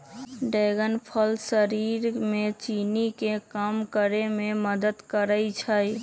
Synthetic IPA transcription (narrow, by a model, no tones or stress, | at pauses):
ɖeɡənpʰəlsəɾiɾmet͡ʃinikekamkəɾememəd̪əd̪kəɾəjt͡ʃʰəj